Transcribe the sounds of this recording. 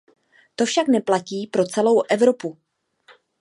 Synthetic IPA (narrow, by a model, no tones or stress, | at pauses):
t̪o̞fʃaknɛplaciːpɾo̞t͡sɛlowʔɛvɾo̞pu